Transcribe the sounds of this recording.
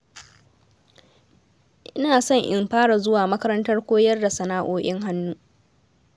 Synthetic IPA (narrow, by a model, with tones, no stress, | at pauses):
ʔɪ˦naː˨sɔ˦ɲʔɪ˨mɸaː˦ɽa˨zʊ˦waː˨mɐ˦kɐ˦ɾɐ˦ntɐ˦rkʷoː˦jɐ˦rda˨sɐ˨naː˦ʔoː˦˨ʔʲɪ˦ŋɦa˦nːuː˦